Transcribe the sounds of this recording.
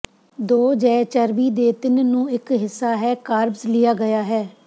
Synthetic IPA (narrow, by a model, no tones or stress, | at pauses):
d̪oːd͡ʒɛːt͡ʃəɾʋiːd̪eːt̪ɪnnũːɪkɦɪsːaːɦɛːkaːɾbslɪjaːɡəjaːɦɛː